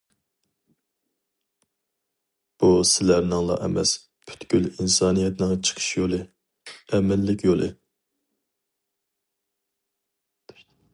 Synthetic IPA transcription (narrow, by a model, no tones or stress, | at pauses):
b̥usɪlæɾnɪŋlˠɑ̰ʔɛmɛs | pʰy̥t̪ɡʲylinsɑːnijɛt̪nɨŋt͡ʃʰə̥qʰə̥ʃjolˠɨ | ɛmɪlːɪkʲʰjolˠʔɨ